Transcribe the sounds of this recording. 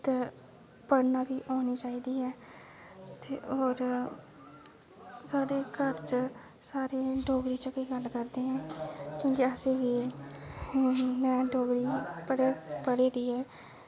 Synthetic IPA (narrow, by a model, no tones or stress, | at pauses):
t̪ː | pəɽnaːbiːʔaːniːt͡ʃaːiːd̪iːɦɛː | t̪eɔːɾ | saːɽeːkəɾt͡ʃ | saːɾeːɖoːɡɾiːt͡ʃəkeːɡəlkəɾd̪eːɦɛ̃ːkjõːkɪəsẽːʋiː | nɛjãːɖoːɡɾiːpəɽepəɽeːd̪iːɦɛː